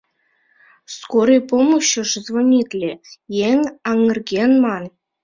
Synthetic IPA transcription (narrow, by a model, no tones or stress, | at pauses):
skoɾɤjpomuɕɤ̆ʂzvonʲit̪ʲlʲejeŋʲɑŋɤ̆rɡʲenmɑn